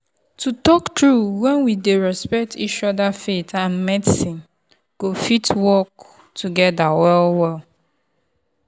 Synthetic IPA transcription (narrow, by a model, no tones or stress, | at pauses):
tutɔktɹuwɛ̃nwideɹɛspɛk̚tʰit͡ʃɔdafetʰãnmɛdsĩn | ɡ̥ofitwɔk | tʰuɡɛdawɛlwɛl